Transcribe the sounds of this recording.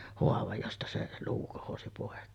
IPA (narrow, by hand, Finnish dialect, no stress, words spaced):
hoɑʋɑj jostɑ se luː kohosi poˑekːeːn